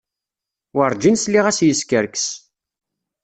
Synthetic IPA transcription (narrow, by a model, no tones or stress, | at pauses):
wəɾˤd͡ʒinsliʁæsjəskəɾks